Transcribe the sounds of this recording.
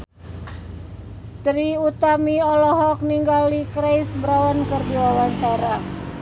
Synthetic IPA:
t̪ɾiut̪amiɔlɔɦɔk̚niŋɡalikɾejsbəɾawankərdiwawaɲt͡ʃaɾa

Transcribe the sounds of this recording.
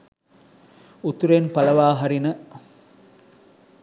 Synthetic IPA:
ut̪uɾenpɐlɐʋaːɦaɾinə

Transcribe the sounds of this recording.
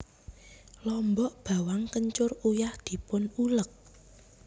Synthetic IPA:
lɔmbɔʔb̥a̤waŋkəɲt͡ʃʊrujahd̪̥i̤pʊnulək̚

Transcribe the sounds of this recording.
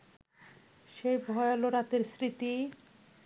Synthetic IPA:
ʃejbʱɔeoloɾat̪eɾsɾit̪i

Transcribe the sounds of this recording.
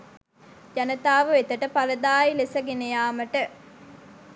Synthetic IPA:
d͡ʒɐnət̪aːʋəet̪əʈəpaləd̪aːjilesəɡenejaːməʈə

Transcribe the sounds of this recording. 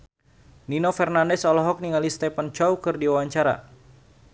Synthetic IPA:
ninofɛrnandɛsɔlɔɦɔk̚niŋalist̪ɛpant͡ʃɔwkɨrdiwawaɲt͡ʃaɾa̰

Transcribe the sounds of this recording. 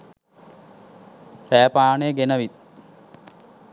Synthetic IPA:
sæːpaːnejəɡenəʋit̪̚

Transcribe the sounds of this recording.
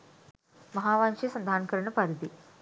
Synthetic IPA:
mɐɦaːʋaːnʃisɐnd̪ʱaːnkɐɾɐɳɐpɐɾid̪i

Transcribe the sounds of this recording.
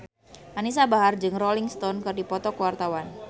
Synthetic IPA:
ʔanis̬abaɦard͡ʒɨŋrɔliŋst̪ɔnkɨrdipɔt̪ɔkəwart̪awan

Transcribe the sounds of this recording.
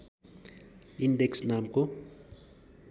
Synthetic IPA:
indɛksnamko

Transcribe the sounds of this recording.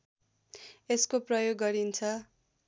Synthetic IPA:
eskoprʌjoɡːʌɾint͡sʰʌ

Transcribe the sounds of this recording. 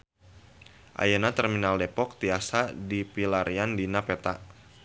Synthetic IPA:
ʔa̰janat̪ɛrminaldepɔk̚t̪iasadipilaɾiandinapet̪a

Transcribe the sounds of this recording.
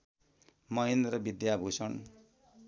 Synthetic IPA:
mʌɦend̪rʌbid̪jabʱusʌn

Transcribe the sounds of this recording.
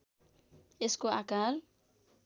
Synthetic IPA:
eskoakal

